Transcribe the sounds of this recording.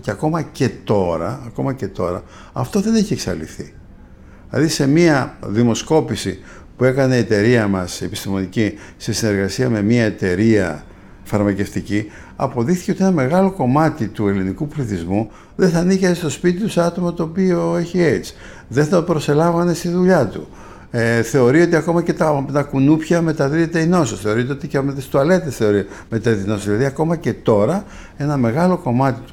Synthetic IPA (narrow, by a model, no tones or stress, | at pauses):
ceɐko̞mɐce̞t̪o̞ɾɐ̰ːko̞mɐce̞t̪o̞ɾɐ̰ | ɐft̪o̞ðe̞neçieksɐ̰lḭθḭ | lɐ̰ðise̞miɐðimo̞sko̞pisi | pue̞kɐneːt̪e̞ɾiɐmɐse̞pi̥st̪imo̞nici | se̞sine̞ɾɣɐsiɐme̞miɐe̞t̪e̞ɾiɐ̰ | fɐɾmɐce̞ft̪ici | ɐ̰po̞ðixθi̥ceo̞t̪ienɐme̞ɣɐlo̞ko̞mɐt̪it̪ue̞linikupliθizmu | ðe̞θɐniçest̪o̞spit̪it̪useɐt̪o̞mɐt̪o̞ːpio̞e̞çie̞t͡s | ðeθɐpɾo̞se̞lɐɱvɐne̞st̪iðuʎɐt̪ṵ | eθe̞o̞ɾio̞t̪iɐko̞mɐce̞t̪ɐt̪ɐkunupçɐme̞t̪ɐðiet̪eino̞sosθe̞o̞ɾit̪eot̪icemðst̪uɐle̞t̪esθe̞o̞ɾime̞t̪ɐðit̪einosozðilɐðiɐko̞mɐce̞t̪o̞ɾɐ | e̞nɐme̞ɣɐlo̞ko̞mɐt̪it̪u